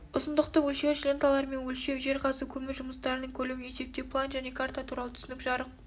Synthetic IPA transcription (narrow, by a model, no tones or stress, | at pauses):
ʊsənd̪əqt̪əwɵlʃe̞ɾʒlʲent̪alˠɑɾme̞nwɵlʃe̞wʒe̞ɾqʰɑsəkʲʰɵmɪʒʊməst̪ɑɾənəɴkʲʰɵlɪwɪne̞se̞p̚t̪e̞plˠanʒæne̞kʰaɾt̪at̪ʰuɾɑlˠət̪ʰʏ̥sɪnɪkʒɑɾəq̚